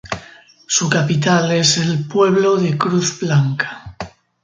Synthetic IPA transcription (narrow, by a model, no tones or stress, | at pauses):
sukapit̪ale̞se̞lpwe̞β̞lo̞ðekɾuθblaŋkḁ